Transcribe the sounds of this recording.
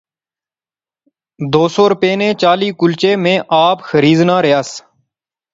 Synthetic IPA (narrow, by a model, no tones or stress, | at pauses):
d̪oːsoːɾʊpeːnẽːt͡ʃaːliːkʊlt͡ʃeːmẽːʔaːpxəɾiːznaːɾɪɦaːs